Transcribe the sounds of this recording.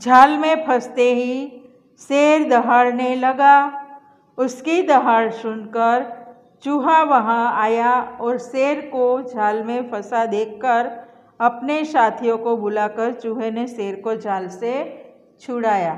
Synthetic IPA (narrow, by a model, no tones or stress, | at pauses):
d͡ʒʱaːlmẽpʰɐst̪eɦi | seːɾd̪ɐɦaɽnelɐɡa | ʊskid̪ɐɦaɽsʊnkəɾ | t͡ʃuɦaʋɐɦãaːjaɔːɾseːɾkod͡ʒʱaːlmẽpʰɐsad̪eːkʰːəɾ | ɐpnesaːt̪ʰijõkobʊlakəɾt͡ʃuɦeneseːɾkod͡ʒʱaːlse | t͡ʃʰʊɽaːjaː